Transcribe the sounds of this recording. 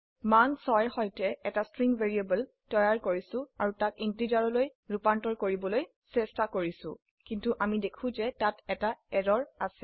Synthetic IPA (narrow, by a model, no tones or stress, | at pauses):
mansɔjxɔjtɛɛtastɹiŋveɹiebəl | tɔjaɹkoɹisʊ̃aɹutakintid͡ʒaɹɔlojɹupantɔɹkoɹibɔloj | sɛstakoɹisʊ̰̃ | kintuʔamidekʰʊ̃zɛtatɛtaɛdɔɹasɛ